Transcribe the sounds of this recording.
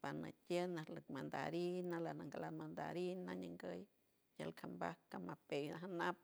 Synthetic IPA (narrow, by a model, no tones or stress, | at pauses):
pana̰t̪ʲjənalɨkmand̪a̰ɾinalanaŋɡalanmand̪a̰ɾinaɲəŋɡəj | ja̰lkʰambahkamapejnaɦanap̚